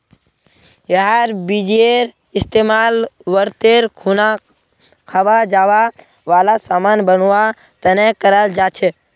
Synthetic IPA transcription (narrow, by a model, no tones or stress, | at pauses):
jəɦaɾbid͡ʒieɾ | ɪst̪emalʋəɾt̪eɾkʰuna | kʰaʋad͡ʒaʋa | ʋaːlasaːmanbənʋa | t̪ənekəɾəld͡ʒat͡ʃʰe